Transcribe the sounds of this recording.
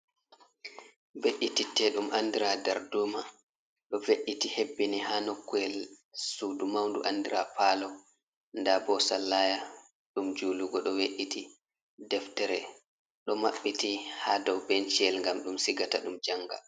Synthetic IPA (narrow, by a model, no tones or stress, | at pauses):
beɗititːɛɗumʔandiɾadɛɾduma | ɗɔveʔːitihebːinihanɔkːuɛl | sudumawndṵʔandiɾapalɔ | ndabɔsalːaja | ɗumd͡ʒuːluɡɔɗɔweɗitʰi | dɛftɛɾɛ | ɗɔmaɓːitihadɔwbɛnt͡ʃiɛlŋɡamɗumsiɡataɗumd͡ʒaŋɡa̰